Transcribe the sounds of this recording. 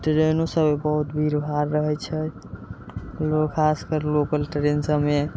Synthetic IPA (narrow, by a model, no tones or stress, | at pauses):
ʈɾenosəbebəɦut̪bʱiɾbʱaɾːəɦɛt͡ʃʰɛ | lokʰaskəɾlokəlʈɾensəme